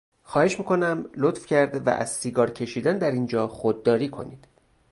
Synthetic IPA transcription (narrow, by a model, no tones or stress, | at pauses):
xɒːhe̞ʃmiːkʰo̞næmlot̪fcʰæɾd̪væ̰ʔæ̰z̥siːɡɒːɾcʰe̞ʃiːd̪ænd̪æɾind͡ʒɒːxod̪ːɒːɾiːkʰo̞̰niːd̪̥